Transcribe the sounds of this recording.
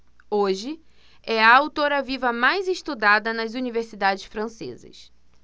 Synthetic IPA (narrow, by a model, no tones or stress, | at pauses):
oʒɪ | ɛɐawt̪oɾɐvivɐmajzeʃt̪ud̪ad̪ɐnɐzuniveɾsid̪ad͡ʒɪsfɾɐ̃sḛzɐ̰s